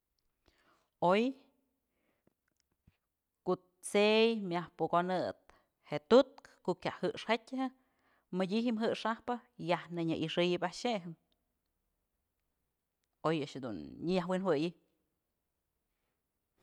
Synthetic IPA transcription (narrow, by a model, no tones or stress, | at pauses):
oj | koʔ | t͡sejmʲahpukonɨt̪̚ | heʔt̪ut̪̚kkoʔkʲjaʔhɨʔʂhetʲhɨ | mɨdʲiɦimɦɨʔʂahpɨjahnɨɲɨʔiʂɨjɨpaʔʃeɦɨm | ojaʔaʃhed̪unɲɨjahwinwɨjɨ